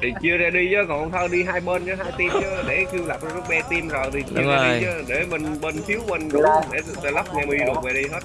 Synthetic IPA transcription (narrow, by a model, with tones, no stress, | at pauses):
t̪ʰi˨˩t͡ɕi˧əzaː˧˩ɗi˧t͡ɕəː˨˦kɔ˨˩˨wt̪ʰə˧ɗi˧ɦaː˧jɓəː˧nt͡ɕə˨˦ɦaː˧jt̪i˧mt͡ɕə˨˦ɗḛ˧˩ki˧əwla˨˩p̚zə˦˥k̚ɓɛ˧t̪i˧mzo˨˩jt̪ʰi˨˩t͡ɕiː˧ɗi˨˧t͡ɕə˨˦ɗe˧˩mï˨˩ŋ̟ɓəː˧nt̪ʰi˨˦əwɓə˧nɗɨ˨˩ɗḛ˧˩t̪t̪ɔ˧jlə˦˥k͡p̚ŋɛ˧mɨ˧ɗɨ˨˩k̚vɛ˨˩ɗi˧ɦə˦˥t̚